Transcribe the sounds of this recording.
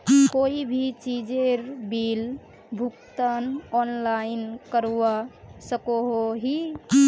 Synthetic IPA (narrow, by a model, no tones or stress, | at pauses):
koibʱit͡ʃid͡ʒeɾbil | bʱukt̪ənɔnlainkəɾuwasəkoɦoɦi